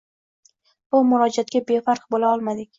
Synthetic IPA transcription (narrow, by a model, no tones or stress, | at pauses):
b̥ʊmʊɾɒd͡ʒiat̪̚kʲabe̞faɾqbolaɒlˠmad̪ɪkʲ